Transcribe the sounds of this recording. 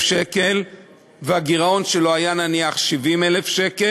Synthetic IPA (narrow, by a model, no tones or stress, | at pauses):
ʃekel | veaɡiʁao̞nʃe̞loajananiaχʃivimele̞fʃe̞ke